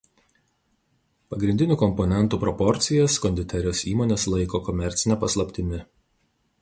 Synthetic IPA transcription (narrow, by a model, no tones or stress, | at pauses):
pɐɡɾʲɪnʲd̪ʲɪnʲuːkɔmpɔnʲɛnt̪uːpɾɔpɔɾʲt̪sʲɪjɛskɔnʲd̪ʲɪt̪ʲɛɾʲoːsiːmoːnʲeːslˠɐɪkoːkɔmʲɛɾʲt̪sʲɪnʲɛpɐslˠɐpʲt̪ʲɪmʲɪ